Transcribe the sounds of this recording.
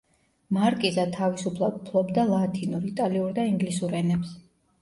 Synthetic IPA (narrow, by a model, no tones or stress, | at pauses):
maɾkʼizat̪ʰavisupʰlˠapʰlˠɔbd̪alˠat̪ʰinuɾit̪ʼaliuɾd̪aiŋɡlisuɾɛnɛps